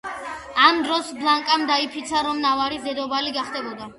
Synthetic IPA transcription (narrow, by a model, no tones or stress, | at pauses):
amd̪ɾɔsblˠaŋkʼamd̪aipʰit̪sʰaɾɔmnavaɾisd̪ɛd̪ɔbaliɡaχd̪ɛbɔd̪a